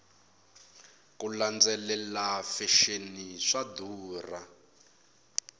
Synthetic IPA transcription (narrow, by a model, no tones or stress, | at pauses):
kuland͡zɛlɛlafɛʃeniʂaduːra